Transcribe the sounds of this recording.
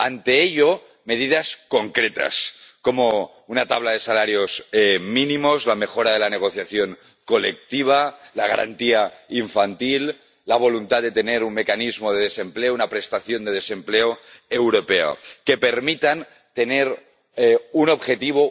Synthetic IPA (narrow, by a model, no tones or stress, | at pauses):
a̰nt̪eeʎo | me̞ð̞iðasko̞ŋkɾet̪a̰sko̞mo | unat̪aβlað̞e̞salaɾjo̞zminimozlamexo̞ɾað̞e̞laneɣo̞θjaθjoŋ | kolek̚t̪iβ̞alaɣ̞a̰ɾa̰nt̪iaiɱfant̪ilː | aβ̞o̞lunt̪at̪d̪e̞t̪eneɾunmekanizmoð̞eðese̞mpleounapɾest̪aθjo̞nd̪e̞ð̞ese̞mpleoewɾopeo̰kepeɾmit̪an | t̪e̞neɾ | uno̞βxe̞t̪iβ̞o